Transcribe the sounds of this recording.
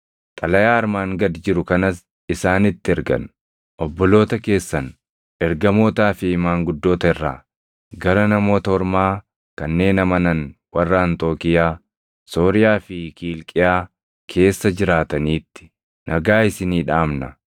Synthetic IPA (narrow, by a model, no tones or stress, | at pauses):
t̪ʼɐlɐjaːɐɾmaːŋɡɐd̪d͡ʒɪɾʊkɐnɐs | ɪsaːnɪt̪ːɪɛɾɡɐ̰n | ʔɔbːɔlo̞ːt̪ɐke̞ːsːɐn | ʔɛɾɡɐmo̞ːt̪aːfɪɪmaːŋɡʊd̪ːo̞ːt̪ɐɛrːa̰ː | ɡɐɾɐnɐmo̞ːt̪ɐɔɾmaː | kɐnːe̞ːnɐmɐnɐnwɐrːaːnt̪o̞ːkɪjaː | so̞ːɾɪjaːfɪkiːlkʼɪjaː | kʰe̞ːsːɐd͡ʒɪɾaːt̪ɐniːt̪ːɪ̥ | nʔɐɡaːɪsɪniːᶑaːmnɐ